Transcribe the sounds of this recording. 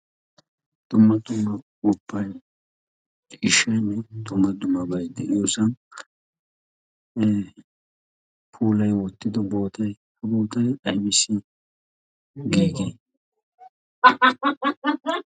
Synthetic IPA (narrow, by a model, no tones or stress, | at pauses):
d̪̥ʊmːɐd̪ʊmːɐkʊpʰːɐj | ɪʃːɐjnːɛd̪ʊmːɐd̪ʊmːɐbɐjd̪ɛjoːsɐn | pʰuːlɐjwɔt̪ːɪd̪ɔbo̞ːt̪ɐj | hɐboːt̪ɐjɐjmɪsːɪ | ɡeːɡeː